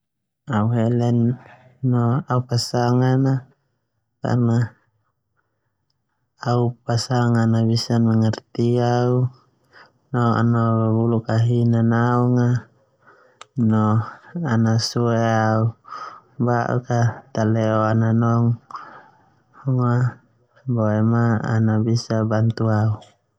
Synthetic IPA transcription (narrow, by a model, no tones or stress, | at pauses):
auɦɛlɛnː | ɔaupasaŋana | ka̰rna | upasaŋanaβisanmaŋart̪iau | nɔa̰nabulukaɦinanauŋa | nɔanasuɛau | baʔṵkat̪alɛɔananɔŋ | ɔŋa | bɔɛmaa̰nabisabant̪uau